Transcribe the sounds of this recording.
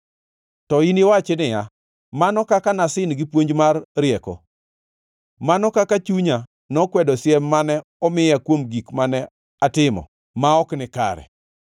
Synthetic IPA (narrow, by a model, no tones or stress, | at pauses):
tɔiniwat͡ʃɛnɪja | manɔkakanasɪnɡɪpwoɲd͡ʒmarɾɪjɛkɔ̰ | manɔkakat͡ʃuɲa | nɔkwɛdɔsjɛmːanɛɔmɪjakwomɡikmanɛ | atɪmɔ̰ | maɔknɪka̰ɾɛ̰